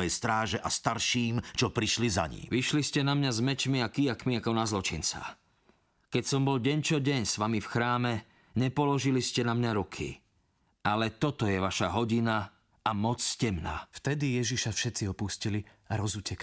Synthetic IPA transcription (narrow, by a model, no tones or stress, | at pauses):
ɛjst̪ɾaːʒɛʔast̪aɾʃiːmt͡ʃɔpɾiʃliza̰ɲḭːʋiʃliscɛnamɲazmɛt͡ʃmiakijakmiakɔnazlɔt͡ʃint͡sa̰ | kɛcsɔmbɔlɟɛɲt͡ʃɔɟɛɲsʋamifxɾaːmɛ | ɲɛpɔlɔʒiliscɛnamɲaɾukʰḭ | alɛt̪ɔt̪ɔjɛʋaʃaɦɔɟina | amɔt͡sscɛmna̰ft̪ɛd̪ijɛʒiʃafʃɛt̪t͡siɔpuscili | aɾɔzuːcɛk